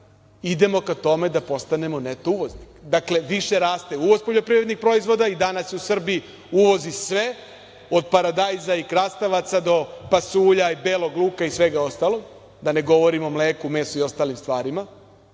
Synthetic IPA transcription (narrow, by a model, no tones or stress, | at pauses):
id̪e̞mo̞kat̪o̞me̞d̪apo̞st̪ane̞monet̪ouʋo̞znikd̪akle̞ʋiʃe̞ɾaːst̪euʋo̞zpo̞ʎo̞pɾivɾe̞d̪nixpɾo̞izʋo̞d̪aid̪anasjeusr̩bii | uʋo̞zisʋe̞ | o̞d̪̚paɾad̪ajzaikɾast̪aʋat̪sad̪o̞pasuːʎaibeːlˠo̞ɡlˠuːkaisʋe̞ɡao̞st̪alo̞ɡ | d̪ane̞ɡo̞ʋo̞ɾimo̞mleːkumeːsuio̞st̪aːlimst̪ʋaːɾima